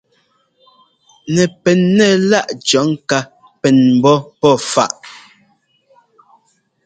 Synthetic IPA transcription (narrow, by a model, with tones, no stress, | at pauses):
nɛ˨pɛ˨nːɛ˦˨la˦˨ʔt͡ʃɔ˨˦ŋ˦ka˦ | pɛ˨nm̩˨bɔ˦pɔ˦˨fa̰˦˨ʔ